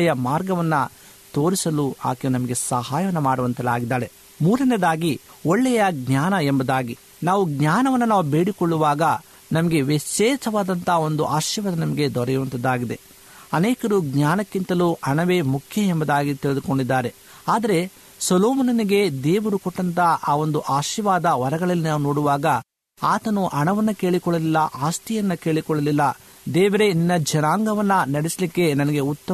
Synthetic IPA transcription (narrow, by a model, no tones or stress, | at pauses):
jɐmaːɾɡɐʋɐnːɐ | t̪o̞ːɾisɐlua̰ːkenɐmɐɡe̞sɐɦaːjɐʋɐnːɐmaːɽuʋɐnt̪ɐlaːɡid̪ːaːɾe̞ | muːɾɐned̪aːɡioɭːɛjɐɡɲaːnɐembɐd̪aːɡi | naːʋuɡɲaːnɐʋɐnːunaːʋube̞ːɽikoɭːuʋaːɡɐ | nɐmɐɡe̞ʋiʃɛːt͡ʃɐʋaːd̪ɐnt̪ao̞nd̪uʔaːʃjɐʋɐd̪ɐnɐmɐɡe̞d̪ɔɾɛjuʋɐnt̪ɐd̪aːɡid̪e̞ | ɐneːkɐɾuɡɲjaːnɐkːint̪ɐluʔɐɳɐʋe̞ːmukʰjɐembɐd̪aːɡit̪iɭed̪uko̞ɳɖid̪ːaːɾe̞ | aːd̪ɐɾe̞ | sɐloːmɐnɐniɡe̞d̪eːʋɐɾukɔʈːɐnt̪aʔaːo̞nd̪uʔaːʃiʋaːd̪ɐʋɐɾɐɡɐɭɐlːinaːʋunoːɽuʋaːɡɐ | aːt̪ɐnuʔɐɳɐʋɐnːɐke̞ːɭikɔɭːɐlilːɐʔaːst̪ijɐnːɐke̞ːɭikɔɭɐlilːɐ | d̪ɛːʋɐɾeninːɐd͡ʒɐnaːŋɡɐʋɐnːɐnɐɽisɐlikːe̞nɐnɐɡe̞ut̪ːɐ